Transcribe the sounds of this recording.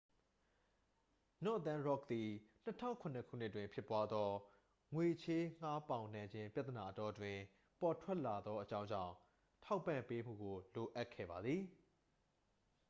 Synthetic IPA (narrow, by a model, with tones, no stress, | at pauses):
nɔ˦˨ʔt̪ã˦ɹɔ˦˨k̚t̪i˨n̥ətʰã̰˦ʊ̃ŋkʰʊ̃˨nə˨kʰṵ˦˨n̥ɪ˦ʔtːwɪ̃˨mpʰjɪ˦pwa˦d̪ðɔ˦ | ŋwe˨t͡ɕʰe˦ŋ̥a˦pã˨ʊ̃nã˨ɲd͡ʑɪ̃˦mpja˦t̪əna˨ʔətɔ˦twɪ̃˨ | pɔ˨tʰwɛ˦ʔla˨d̪ɔ˦ʔət͡ɕã˦ʊ̃ɲd͡ʑã̰˦˨ʊ̃ | tʰa˦ʊpːã̰˨mpe˦m̥ṵ˦˨ɡo˨lo˨ʔa˦ʔkʰːɛ̰˦˨ba˨d̪ði˨